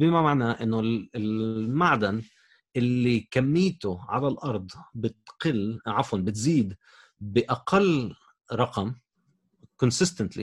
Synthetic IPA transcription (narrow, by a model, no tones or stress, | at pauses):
bɪmamaʕnaʔɪnːʊɪlmaʕd̪an | ʔɪlːikamːiːt̪ʊʕa̰lalʔɑɾˤd̪ˤbɪt̪qɪlʕafwanbɪt̪ziːd̪ | bɪʔaqalː | ɾˤɑqɑm | kʊnsɪst̪ant̪lḭ